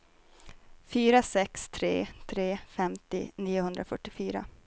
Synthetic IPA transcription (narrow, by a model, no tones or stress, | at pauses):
fyːɾasɛkst̪ʰɾḛːt̪ʰɾeːfɛmt̪ɪ̰niːʊhɵnd̪ɾafœʈːɪfyːɾa̰